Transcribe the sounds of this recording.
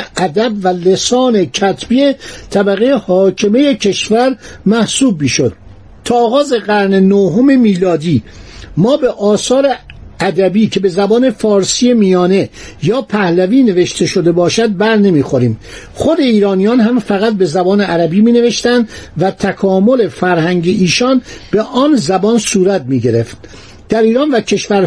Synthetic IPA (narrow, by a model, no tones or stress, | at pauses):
ʔæd̪æbvæle̞sɒːne̞cʰæt̪ʰbie̞t̪ʰæbæɣejehɒːcʰe̞me̞jecʰe̞ʃvæɾmæhsuːb̚miːʃod̪̥̚ | t̪ʰɒːɣɒːze̞ɣæɾne̞noɦome̞miːlɒːd̪iːmɒːbe̞ʔɒːsɒːɾe̞ʔæd̪æbiːcʰe̞be̞zæbɒːne̞fɒːɾsiːje̞mijɒːne̞jɒːpʰæhlæviːne̞ve̞ʃt̪ʰe̞ʃo̞d̪e̞bɒːʃæd̪̚bæɾne̞miːxoɾiːm | χo̞d̪e̞iːɾɒːnijɒːnhæmfæɣæt̪̚be̞zæbɒːne̞ʔæɾæbiːmiːne̞ve̞ʃt̪ænd̪væt̪ʰækʰɒːmo̞le̞fæɾhæŋɟeʔiːʃɒːnb̥e̞ʔɒːnzæbɒːnsuːɾæt̪̚miːɟe̞ɾe̞ft̪ | d̪̥æɾiːɾɒːnvækʰe̞ʃvæɾ